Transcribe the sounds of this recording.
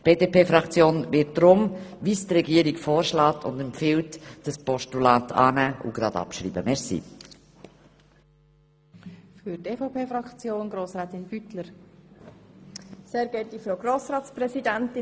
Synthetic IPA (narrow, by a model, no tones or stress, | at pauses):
b̥eːdeːpeːfɾɑkt͡sjoːnvɪt̚d̥ɾʊmvistrɛɡiːəɾiɡfɔːɾʃlɑːtʰʊ̰ndɛmpfɪltd̥ɑspɔʃtulɑːtʰɑ̰ːnæːʔʊ̰ɡ̥ɾɑdɑ̰pʃɾḭːbəmɛɾsḭː | fyɾtefopʰeːfɾɑkt͡sjoːnɡɾoːsɾɛːtɪnb̥ytləɾ | seːɾɡɛltifɾoʊɡɾoːsɾɑːtt͡sprɛzidɛntɪ